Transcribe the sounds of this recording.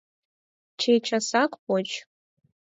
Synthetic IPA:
t͡ʃʰejt͡ʃʰasakʷʰʼpʼot͡ʃʰ

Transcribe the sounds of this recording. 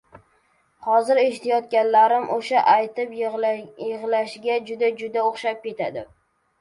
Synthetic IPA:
hɒzɪɾeʃt̪ʰajɒt̪̚kʲanlaɾɪmʔoʃaʔajt̪ɪpjɨʁlaʃɡʲad͡ʒʊd̪ad͡ʒʊd̪aoχʃap̚kʲe̞t̪ʰad̪ɪ

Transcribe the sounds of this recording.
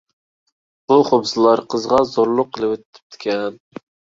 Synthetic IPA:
b̥uχobsɨlˠɑɾqʰəzʁɑzoɾlˠʊqʰːəlˠɨwøt̪t̪ʰːɪ̥p̚t̪ʰɪ̥kʲʰɛn

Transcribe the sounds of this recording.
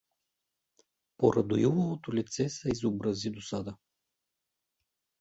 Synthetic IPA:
poɾʔɐd̪ojuvovot̪olʲit̪sɛsɛizobɾɐzid̪osad̪ə

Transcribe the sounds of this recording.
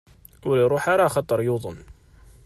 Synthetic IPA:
wliɾˤuħaɾˤɑxɑt̪ˤːəɾˤjoðˤʊnː

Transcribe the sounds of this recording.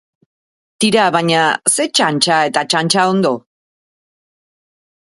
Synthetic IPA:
t̪iɾaβaɲase̞t͡ʃant͡ʃae̞t̪at͡ʃant͡ʃao̞nd̪o̞

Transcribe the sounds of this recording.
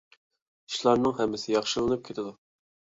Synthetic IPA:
i̥ʃlˠɑɾnɨŋɦɛmːɪsɪjɑχʃɨlˠɨnɨp̚kʲʰet̪ʰɪd̪u

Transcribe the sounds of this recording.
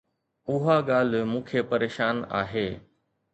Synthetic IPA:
ʊɦaɠaːl̤mũːkʰepɐɾeːʃaːna̰ːɦeː

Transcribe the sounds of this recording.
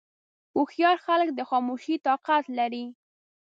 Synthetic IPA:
uxjɑɾxalk̚d̪əxɑmuʃit̪ɑqat̪laɾi

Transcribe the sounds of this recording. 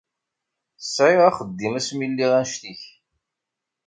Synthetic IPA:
əsʕɪʁaχəd̪ːimæsmilːiʁænʃt̪iç

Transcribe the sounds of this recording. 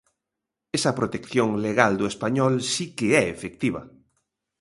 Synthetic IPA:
esɐpɾot̪ekθjoŋleɣald̪oespaɲɔlsikeɛefek̚t̪iβɐ̰

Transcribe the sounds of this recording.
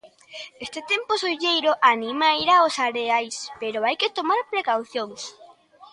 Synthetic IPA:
est̪et̪empʊsojʎejɾʊʔanimajɾaosaɾeajspeɾoajket̪omaɾpɾekawθjoŋs

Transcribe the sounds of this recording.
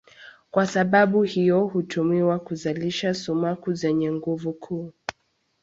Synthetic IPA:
kwasaɓaɓuhijɔhutʰumiwakuzaliʃasumakuzɛɲɛŋɡuvukʰuː

